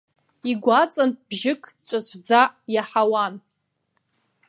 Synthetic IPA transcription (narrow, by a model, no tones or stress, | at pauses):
iɡʷat͡sʼanb̥ʒɪkʼt͡ʃʷʼat͡ʃʷʰd͡zajaħawan